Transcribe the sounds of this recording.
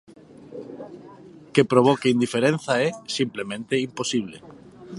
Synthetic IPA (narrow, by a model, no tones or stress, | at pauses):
kepɾoβokeind̪ifeɾẽn̟θaesimplemẽnt̪eimposiβ̞le